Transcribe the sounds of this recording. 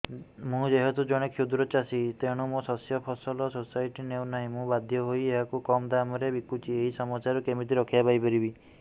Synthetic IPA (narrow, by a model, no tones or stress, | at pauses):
mũd͡ʒeɦet̪ud͡ʒɔɽ̃ekʰjud̪ɾɔt͡ʃasit̪eɽ̃umũsɔsjɔpʰɔsɔlɔsosajʈinewnaɦĩmũbad̪ʱjɔɦojeɦakukɔmd̪amɔɾebikut͡ʃʰieɦisɔmɔt͡ʃaɾɔkemit̪̬iɾɔkʰijapajpɔɾibi